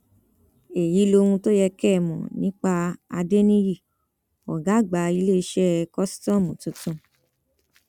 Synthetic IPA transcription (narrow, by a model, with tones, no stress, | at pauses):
e˨ji˨˦lo˧ũ˧to˦jɛ˧kɛ˦˨mɔ̰̃˨nĩ˦k͡pa˧a˧de˦nĩ˦ji˦˨ | ɔ̰˨ɡa˨˦˨ɡ͡ba˨˦i˧le˦i˧˦ʃɛ˦kɔ˦si̥˦tɔ̃˦˨mũ˨tũ˨˦tũ˧